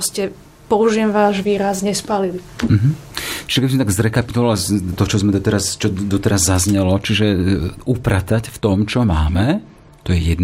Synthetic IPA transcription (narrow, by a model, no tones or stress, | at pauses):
scɛ | pɔuʒiɛmʋaːʒʋiːɾazɲɛspalili | m̩ɦm̩ | t͡ʃiʒɛkɛbismɛt̪aɡzɾɛkapi̥t̪ɔʋaalt̪ɔt͡ʃɔzmɛd̪ɔt̪ɛɾast͡ʃɔd̪ɔt̪ɛɾazːazɲɛlɔt͡ʃiʒɛupɾat̪acft̪ɔmt͡ʃɔmaːmɛ | t̪ɔjɛjɛd̪n